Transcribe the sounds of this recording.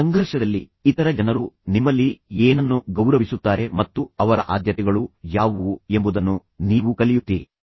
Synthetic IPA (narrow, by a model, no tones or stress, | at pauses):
sɐŋɡʱɐɾʂɐd̪ɐlːḭː | t̪ɐɾɐd͡ʒɐnɐɾunimːɐlːieːnɐnːuɡɐwɾɐʋisut̪ːaːɾe̞mɐt̪ːuɐʋɐɾɐ̰ʔaːd̪jɐt̪ɛɡɐɭujaːʋue̞mbud̪ɐnːu | niːʋukɐlijut̪ːiːɾḭ